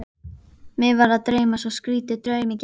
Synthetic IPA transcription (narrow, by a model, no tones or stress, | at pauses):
mɪvaɾaðt̪ɾeːjmasɔskɾiːt̪ʏt̪ɾœːɥmɪc